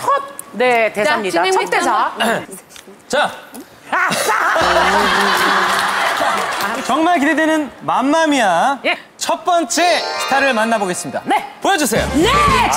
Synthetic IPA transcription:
onet̪eamɲidat̪͈esʰ | t͡ɕa | t͡ɕʌŋmaɭk̬iɾedwenɯnmamːamia | t͡ɕʰʌt̚p͈ʌnt͡ɕ͈ʰe̞sʰi̥tʰaɾɯɭmanːaboɡe̞s͈ɯmɲida̰nepojʌd͡ʑusʰe̞jo̰ne

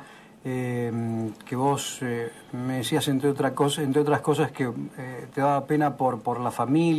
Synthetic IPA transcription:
emkeβo̞se | meðisiasent̪ɾeot̪ɾakosent̪ɾeo̞t̪ɾasko̞s̬askeet̪eðaβape̞napoɾpoɾlafamil

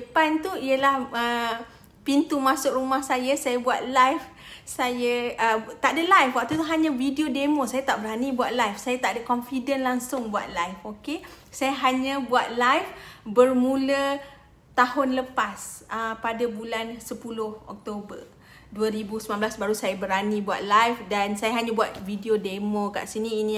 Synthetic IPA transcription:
dəpant̪uiəlahə | pint̪umasʊʔrumahsajəsajəbuat̪̚lajf | sajəʔət̪aʔdəlajfwak̚t̪ut̪uɦaɲə̃vidiodemosajat̪aʔbəɾɦanibuat̪̚lajfsajat̪aʔdəkɔnfidənlaŋsʊŋbua̰t̪̚lajfokesajəɦaɲə̃buat̪̚lajfbərmulə | t̪ahʊnləpasəpadabulansəpulʊhɔ̰k̚t̪obə | duəɾibusəmãnbəlasbaɾusajəbəɾanibua̰t̪̚lajfdansajəɦaɲə̃buat̪vidiodemoka̰ʔsinĩːni

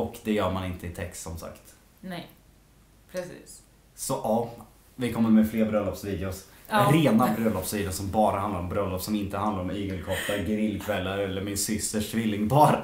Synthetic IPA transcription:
ɔkd̪ɛjœːɾmanɪnt̪əɪt̪ʰɛkst̪sɔmsa̰kt̪ | pʰɛiː | sɔʔɑː | vɪkʰɔmːəɾmɛfleːɾbɾœlːɔpsviːd̪ɪʊs | ɾeːnabɾœlːɔpsviːd̪asɔmbɑːɾahand̪aɾɔmbɾœlːɔpsɔmɪnt̪əhand̪aɾɔmyːɡəlkʰɔplaɾɡɾɪlːkʰvɛlːaɾɛlːəɾmɪnsʏst̪əʂʈvɪlːɪŋbɑːɾa

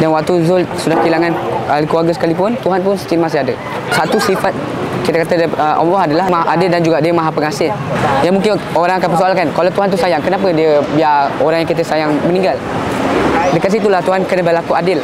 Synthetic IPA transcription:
danwak̚t̪uzʊlsudahkilaŋanalikuaɡəsə̥kalipʊnt̪uɦanpʊnsə̥t͡ʃinmas̬ɪadə | sat̪usifat̪̚ | kit̪əkat̪ədəʔɔ̰mlɔɦadalaɦmaʔadɪldand͡ʒuɡaʔdiəmaɦapəŋasɪl | janmuŋkɪnoɾaŋakanpəsoalkankalawt̪uɦant̪usajaŋkənapədiəbiaoɾaŋjaŋkit̪əsajaŋmənĩŋɡal | dəkat̪sit̪̬ulaht̪uɦankənəbəlakuʔadɪl

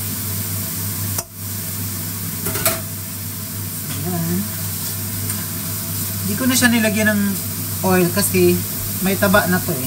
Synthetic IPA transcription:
jan | hɪnd̪iːkonɐʃanɪlɐɡjanɐŋ | pojlkɐsɛ | mɐjt̪ɐbaʔnɐt̪o

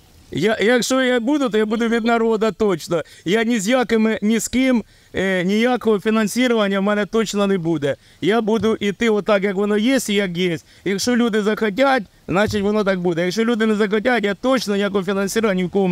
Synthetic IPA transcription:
jajɐkʂojabud̪ʊt̪ojabud̪ʊʋʲɪd̪̚nɐɾo̞d̪ɐt̪ot͡ɕnɐjanʲɪzʲjakɐmɨnʲɪskʲim | nʲɪjakəʋɐfʲɪnɐnsʲiɾəʋɐnʲɪjəmʲɛnɛt̪o̞t͡ɕnɐnɪbud̪ɛ | jabud̪ʊʔɪt̪ɨʋot̪ːakjɐkvɐnojesʲtʲɪjɐkjesʲtʲjɐkʂolʲud̪ɪzɐxɐt̬ʲatʲ | znat͡ɕɪtʲvɐnot̪ak̚bud̪ʲɛjɐkʂolʲud̪ɪnɪzɐxɐt̬ʲat̪ʲjat̪o̞t͡ɕnɐnʲɪjakəʋfʲɪnɐnsʲiɾəʋɐnʲɪkom

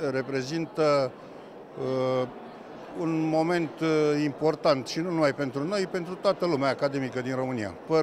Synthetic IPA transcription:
re̞pɾe̞zint̪ə | unmo̞me̞nt̪impo̞rt̪ant̪ʃinunumajpe̞nt̪ɾuno̞jpe̞nt̪ɾut̪oat̪əlumeaːkad̪e̞mikəd̪inro̞mɨnija̰pə

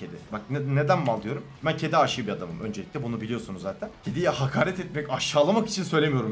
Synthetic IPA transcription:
ed̪ɛbak̪̚ned̪ænmalˠd̪ɯjo̞ɾumbæncʰe̞d̪ɛaʃɯjbiad̪amɯ̰mø̞̰nd͡ʒe̞lʲic̚ʲtlʲɛbunubilʲijo̞sunuzzaːt̪ʰæncʰed̪ijhakʰaːɾɛt̪ɛt̪̚mɛcaʃːaːlˠamaki̥t͡ʃʰinsø̞jlʲemijo̞ɾum

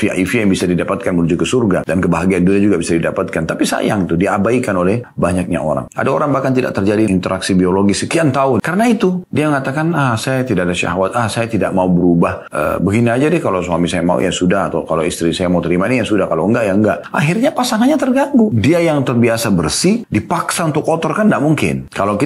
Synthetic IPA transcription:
fia̰ʔifijaŋbisadidapat̪̚kanmənud͡ʒʊt̪̚kəsurɡadankəbaɦaɡianduniad͡ʒuɡabisadidapat̪̚kant̪apisa̰ja̰ŋt̪udiabaikanolɛhbaɲak̚ɲa̰ʔo̰ɾa̰ŋʔa̰daoɾaŋbahkant̪ida̰ʔkt̪ərd͡ʒadiint̪əɾʔaksibioloɡisəkiant̪aʊnkaɾənait̪udiamŋat̪akanahsajat̪idaʔadaʃa̰ɦawat̪̚ahsajat̪ida̰ʔ̚maubəɾubah | ə̰bəɡiniad͡ʒadɛhkalosuamisajama̰ṵjʔa̰sudahat̪awkaloist̪ɾisajamaut̪əɾimainijasudahkaloəŋɡaʔjaəŋɡaʔʔa̰ɦirɲapasaŋanɲat̪ərɡaŋɡudiajaŋt̪ərbiasabərsidipaksaunt̪ʊkɔt̪ɔrkandaʔmuŋkɪ̰nkaloki

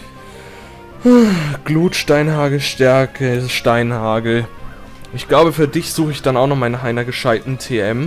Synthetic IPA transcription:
haɡ̥luːtʃtaɪnhaːɡl̩ʃtɛɐkʰəɪʃtaɪnhaːɡl̩ | ʔɪçɡ̥laʊbəfyːɐdɪçz̥uːxəɪçd̥anaʊxnɔχmaɪnaːχʔaɪnɐɡəʃaɪtn̩tʰeːʔɛm

